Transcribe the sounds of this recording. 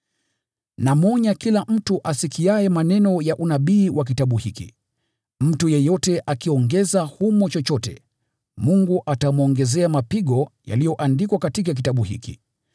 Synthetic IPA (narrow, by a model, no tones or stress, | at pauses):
namɔɲakilam̩tuʔasikiajɛmanɛnɔjaʔunaɓiːwʔak̬itaɓuhikḭ | m̩tujɛjɔtɛʔakiɔŋɡɛzahumɔt͡ʃɔt͡ʃɔtɛ̰ | muŋɡuʔatamɔŋɡɛzɛamapiɠɔja̰lijɔʔandikwakatik̬ak̬itaɓuhḭkḭ